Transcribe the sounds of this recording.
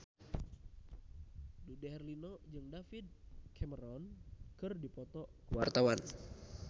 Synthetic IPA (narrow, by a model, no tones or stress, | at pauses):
dudɛɦɛrlinɔd͡ʒɨŋdafid̪̚kʰɛməɾɔnkɨrdipɔt̪ɔkəwart̪awan